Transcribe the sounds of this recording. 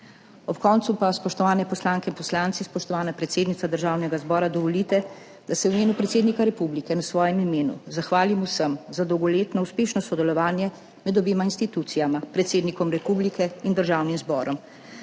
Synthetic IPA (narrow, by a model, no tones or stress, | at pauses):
ɔpkɔːnt̪supaspɔʃt̪ɔʋaːnɛpɔslaːŋkɛinpɔslaːnt̪sispɔʃt̪ɔʋaːnapɾɛt̪seːd̪nit̪sad̪əɾʒaːwnɛɡazbɔːɾad̪ɔʋɔlit̪ɛ | d̪̥asɛwimeːnupɾɛt̪seːd̪nikaɾɛpublikɛnasʋɔːjɛmimeːnṵzaxʋaːlimusəmzad̪ɔwɡɔleːt̪nɔuspeːʃnɔsɔd̪ɛlɔʋaːnjɛ | mɛd̪ɔbeːmainst̪it̪ut̪sijamapɾɛt̪seːd̪nikɔmɾɛpublikɛind̪əɾʒaːwnimzbɔːɾɔm